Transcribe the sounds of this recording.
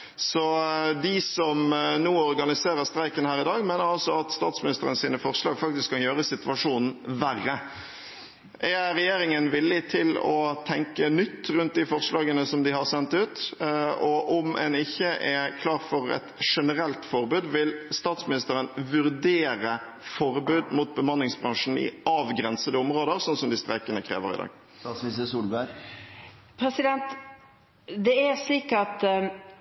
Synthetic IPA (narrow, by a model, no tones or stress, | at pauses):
sɔd̪ɪsɔmnuːɔɾɡɑnɪseːɾəʁst̪ɾæɪkənhæːɾɪd̪ɑːɡmeːnəɾɑlsɔɑt̪st̪ɑːt̪smɪnɪst̪əɾənsiːnəfɔɾʂlɑːɡfɑk̚t̪ɪskʰːɑnjøːɾəsɪt̪ʉʋɑʂuːnn̩ʋærːə | ʔæɾɛjeːɾɪŋənʋɪlːɪt̪ʰɪlɔ̰t̪ʰɛŋkənʏt̪ːɾʉnt̪̚d̪ɪfɔɾʂlɑːɡənəsɔmd̪ɪhɑɾsɛnt̪ʉːt̪ɔʔɔmɛ̰nɪçːəʔɛkʰlɑːʁfɔɾɛ̰t̪ʂɛnəɾɛlt̪fɔɾbʉːd̪ʋɪlst̪ɑːt̪smɪnɪst̪əɾənʋʉɾd̪eːɾə | fɔɾbʉːd̪muːt̪̚bəmɑnːɪŋsbʁɑŋʂn̩ɪ̰ɑːʋɡɾɛnsəd̪əɔmɾoːd̪əɾsɔnsɔmd̪ɪst̪ɾɛkənəkʰɾḛːʋə̰ɾɪ̰d̪ɑ̰ːɡ̪ | ɑsmisəsuːlbæɾ | pʰɾɛsɪd̪ɛnt̪ | d̪ɛæsliːkɑt̪